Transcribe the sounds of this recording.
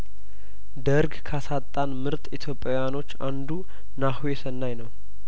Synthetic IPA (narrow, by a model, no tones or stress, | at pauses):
d̪əɾɡkʰasat̪ʼːanmɨɾt̪ʼit̪ʰjo̞pʼːejano̞t͡ʃːa̰nd̪u | nahwesənːajnəw